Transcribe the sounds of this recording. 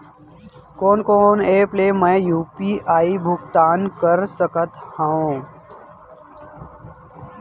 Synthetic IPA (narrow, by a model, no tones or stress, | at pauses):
koːnkoːneːpleːmɛ̃ːjuːpiːʔaːibʱʊkt̪aːnkəɾsəkət̪haõ